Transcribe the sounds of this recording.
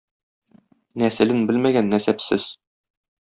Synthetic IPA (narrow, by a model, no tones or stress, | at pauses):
næsɘ̆lɘnbɘlmæɡænːæsæpsɘz